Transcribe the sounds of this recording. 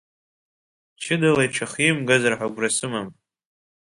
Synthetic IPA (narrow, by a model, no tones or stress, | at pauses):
t͡ʃʰɪdalajʈ͡ʂʰaχimɡazarħʷaɡʷrasɨmam